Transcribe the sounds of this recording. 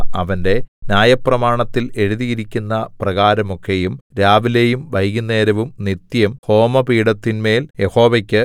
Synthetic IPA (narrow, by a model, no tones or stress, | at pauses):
ɐʋɐnde̞njaːjɐprɐmaːɳɐt̪ːile̞ɻuðijiɾikʲːunːɐprɐɣaːɾɐmo̞kʰːe̞jumɾaːʋilejumʋɐjɣunːe̞ːɾɐʋumnit̪jɐmho̞ːmɐpiːɽɐt̪ːinme̞ːlje̞ho̞ːʋɐkʲːɨ